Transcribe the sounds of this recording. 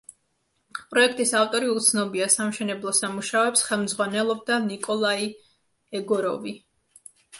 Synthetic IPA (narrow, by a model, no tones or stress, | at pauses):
pʼɾɔɛk̚ʰt̪ʼisaft̪ʼɔɾiut̪sʰnɔbiasamʃɛnɛblˠɔsamuʃaɔɛpsχɛlˠmd̪zʁwanɛlˠɔb̚d̪anikʼɔlˠai | ɛɡɔɾɔvi